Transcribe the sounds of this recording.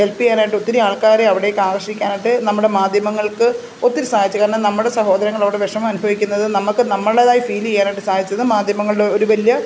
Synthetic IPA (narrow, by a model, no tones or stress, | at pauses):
e̞lpːikːaːnaːjiʈɨo̞t̪ːiɾiaːɭkaːɾeɐʋiɽejekːaːɡɐrʂikʲːaːnaʈːɨnɐmːuɽe̞maːd̪ʱjɐmɐŋːɐɭkɨ | o̞t̪ːiɾusaːd̪ʱit͡ɕːɨkɐːɾɐnɐnɐmːuɽe̞sɐɦo̞ːd̪ɐɾɐŋːɐɭoːɽeʋeʂɐmmɐnubʱɐʋikʲːunːɐðɨnɐmɐkːɨnɐmːɐɭeðaːjifiːlejaːnɐʈːɨsaːd̪it͡ɕːɐðɨmaːd̪ʱjɐmɐŋːɐɭɽe̞o̞ɾuʋɐlijɐ